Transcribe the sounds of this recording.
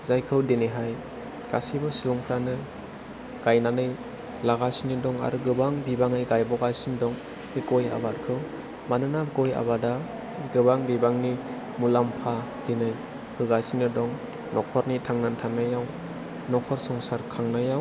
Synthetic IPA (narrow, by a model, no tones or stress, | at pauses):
zajkʰɯwdinɯɦaj | ɡ̥a̰sibɔsuɔmkʰɾanɯ | ɡ̥ajnanɯj | laɡasinɯdɔŋa̰ɾuɡɯbaŋbibaŋajɡajbɔɡajsindɔŋ | ekoja̰batkʰɯw | manɯnakoja̰bada | ɡɯbaŋbibaŋni | mulampʰa | dinɯj | bɯɡasinɯdɔŋ | nɔk̚pʰɔɾnitʰaŋnantʰanajaw | nɔk̚pʰɔɾsɔŋsaɾkʰaŋnajaw